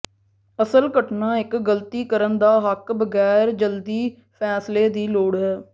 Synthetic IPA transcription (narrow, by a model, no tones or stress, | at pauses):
əsəlkəʈnãːɪkɡəlt̪iːkəɾənd̪aːɦəkbəɡɛːɾd͡ʒəld̪iː | pʰɛːsleːd̪iːloːɽɦɛː